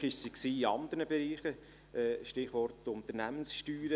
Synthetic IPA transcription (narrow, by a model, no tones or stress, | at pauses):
ɪʃsiksiːiɑnd̪əɾnəbɛɾiːχə | ɛʃtɪχʋɔɾtʊnt̪əɾnæmənsʃtyːɾə